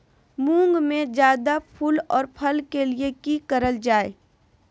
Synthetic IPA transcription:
mũːŋɡmẽd͡ʒjaːd̪apʰulɔːɾpʰəlkeliekikəɾəld͡ʒaːe

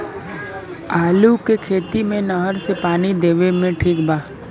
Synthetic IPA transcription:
aːlukekʰeːt̪imẽnəɦəɾsepaːnid̪eːʋemẽʈʰiːkbʱaː

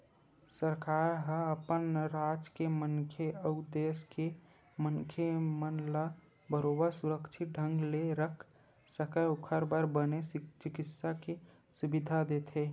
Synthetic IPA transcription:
səɾkaːɾɦəəpənɾaːd͡ʒkemənkʰeəʊd̪eːske | mənkʰemənla | bəɾoːbəɾsʊɾəkʃʰɪt̪̚ɖʱə̃ŋɡleɾəkʰ | səkəʊkʰəɾbəɾbənest͡ʃɪkɪt̪sake | sʊbɪd̪ʱad̪et̪ʰe

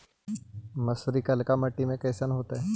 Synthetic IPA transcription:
mɐsɾikɐlkamɐʈːimẽkɛːsənɦoːt̪aɦɛ

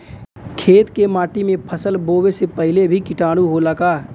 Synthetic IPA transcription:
kʰeːt̪kemaːʈimẽpʰəsəlboːwesepɐɦɪlebʱikɪʈaːɽ̃uɦolɐkaː

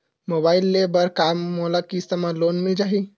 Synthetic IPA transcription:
mobailːebəɾkamːolakist̪əmalonmid͡ʒaɦi

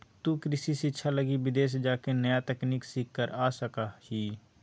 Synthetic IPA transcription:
t̪uːkɾɪsisɪtːʃʰaləɡibɪd̪eːs̬d͡ʒaːkenəjat̪ɛkniːksiːkːəɾaːsəkahiː

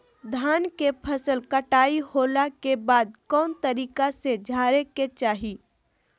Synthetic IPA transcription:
d̪ʱaːnkepʰəsəlkəʈaːihoːlakebaːd̪̚kɔːnt̪əɾiːkased͡ʒʱaːɾeket͡ʃaːɦi

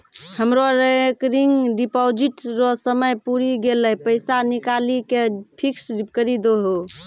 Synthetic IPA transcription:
həmɾoɾekɾiŋɡɖipɔd͡ʒiʈɾɔsəməjpuɾiɡeləjpəɪsanikalikepʰiksɾikəɾid̪oɦo

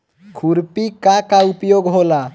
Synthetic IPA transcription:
kʰuɾpikakaupjoɡɦola

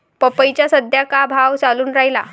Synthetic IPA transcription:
pəpəjt͡ɕjasəd̪ʱjakabʱawt͡saluːnɾaɦila̰

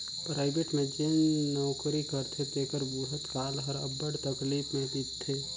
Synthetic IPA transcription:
pɾaːɪbeʈmẽd͡ʒennɔːwkɾikəɾt̪ʰet̪eːkəɾbuɦət̪kaːlɦəɾə̰bːəɽt̪əkliːpmẽd̪itt̪ʰːeː

